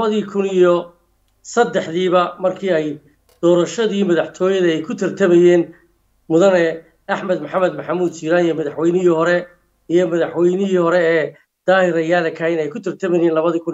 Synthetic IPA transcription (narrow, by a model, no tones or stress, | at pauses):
lɐβɐðiːkʰʊnijɔ | sɐd̪ɛħðiːβɐmɐrkʰiːɛj | d̪̥ɔːɾɐʃɐðiːmɐðɐħt̪ʰɔːjɐðɐɛjkʰʊt̪ʰɪrt̪ʰɐmɛjɛːn | mʊðɐnɛ | ɐħmɐd̪mɐħamɛd̪mɐħamuːd̪t͡ʃiːɾaːnijɔmɐðɐħwɛjnɪɦiːhɔɾɛ | ijɔmɐðɐħwɛjnɪɦiːhɔɾɛɛː | d̪̥aːhɪɾɐjaːlɛkʰɐjnɛjkʰʊt̪ʰɪrt̪ʰɐmɛjɛːnlɐβɐðiːkʰʊn